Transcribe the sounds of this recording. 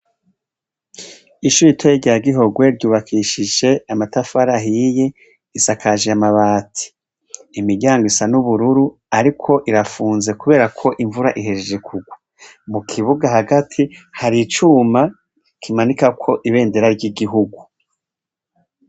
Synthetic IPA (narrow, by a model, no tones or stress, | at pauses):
iʃuɾitʰojiɟaaɡiɦo̞ɡwe̞ɾɟuːβakʰiʃiʒe̞amatafaɾaɦije̞ | isakʰaʒeamaβaːtʰi̥ː | miɾɟaːŋɡoisanuβuɾuɾu | aɾikʰo̞ʔiɾafuːnze̞kuβe̞ːɾakʰo̞ʔiɱvuɾaʔiɦe̞ʒed͡ʒe̞kʰuɡwa | mukʰiβuɡaɦaɡatʰihaɾit͡ʃuːma | kʰimanikakʰo̞ʔiβe̞ːnde̞ɾaɾɟiɡiɦuɡu